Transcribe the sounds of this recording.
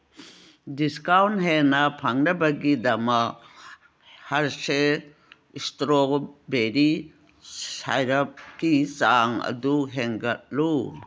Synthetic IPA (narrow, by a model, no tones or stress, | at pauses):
diskawntɦenapʰaŋɾɐbɐɡidɐma | haɾse | istɾobeɾi | sa̰jɾap̚kit͡ʃaŋɐ̰duɦeŋɡɐt̚lu